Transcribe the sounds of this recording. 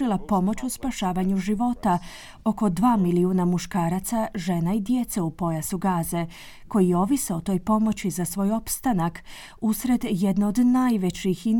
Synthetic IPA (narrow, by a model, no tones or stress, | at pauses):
ilˠapo̞mo̞t͡ɕuspaʃaːʋaɲuʒiʋo̞t̪a | o̞ko̞d̪ʋaːmiliunamuʃkaːɾat̪saʒe̞naid̪je̞t̪se̞upo̞jasuɡaːze̞ | ko̞jijo̞ʋiseot̪o̞ːjpo̞mo̞t͡ɕizasʋo̞ːjo̞pst̪anak | usɾe̞d̪je̞d̪naod̪najʋe̞t͡ɕixi